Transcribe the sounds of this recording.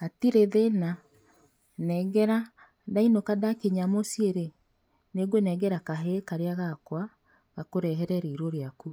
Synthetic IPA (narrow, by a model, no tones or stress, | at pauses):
atiɾeðena | nɛɡɛɾa | dainokadakeɲamosieɾe | neɡwonɛɡɛɾakaɦekaɾeaɣakwa | ɣakoɾɛɦɛɾɛɾeiɾoɾeaku